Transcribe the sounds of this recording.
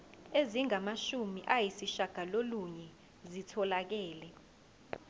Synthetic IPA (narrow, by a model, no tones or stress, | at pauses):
eziŋamaʃumiʔajisiʃaɡ̥ʱaloluɲɛ | zitʰɔlak̬ɛːlɛ